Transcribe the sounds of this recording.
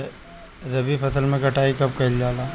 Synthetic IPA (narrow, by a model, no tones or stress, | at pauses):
ɾɐbifɐsəlmẽkɐʈʰaːikɐb̚kɐld͡ʒaːlaː